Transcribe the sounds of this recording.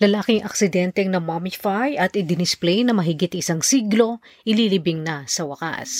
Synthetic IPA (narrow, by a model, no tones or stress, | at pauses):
lɐlaːkɪŋʔɐ̰k̚sɪd̪ɛnt̪ɛŋnɐmamɪfajʔɐt̪ɪd̪ɪnɪsplɛjnɐmɐɦɪɡɪt̪ɪsaŋsiːɡlo̞ʔɪlilibɪŋnɐsɐwɐka̰s